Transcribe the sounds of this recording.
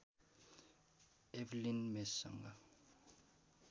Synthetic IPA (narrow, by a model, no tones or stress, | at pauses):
ɛvlinmɛsa̰ŋɡa